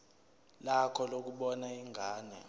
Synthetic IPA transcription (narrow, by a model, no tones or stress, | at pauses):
lakʰɔlok̬uɓɔnaiŋɡʱaːnɛ